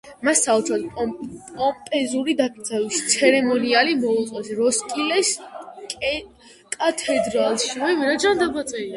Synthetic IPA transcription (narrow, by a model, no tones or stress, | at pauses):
masːaut̪sʰɾɔd̪ʼpʼɔmpʼɛzuɾid̪apʰisʰavist̪sʰɛɾɛmɔnialimɔuqʼɔsɾɔskʼilɛsʼ | kʼat̪ʰɛd̪ɾalˠʃimɛviɾad͡ʒand̪abat̪sʼɛia